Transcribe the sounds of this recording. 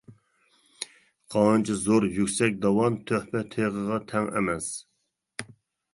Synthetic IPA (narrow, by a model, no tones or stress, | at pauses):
qʰɑɨnt͡ʃʰizoɾjykʲsɛk̚ʲd̪ɑwɑnt̪ʰøhpɛt̪ʰeʁəʁɑt̪ʰɛŋɛ̰mɛs